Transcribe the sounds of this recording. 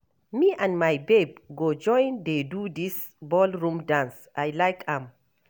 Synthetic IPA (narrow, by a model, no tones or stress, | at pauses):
miːʔãnmajbeb̚ɡod͡ʒɔ̃jndedudis | bɔlɹũmdãns | ʔajlajkãm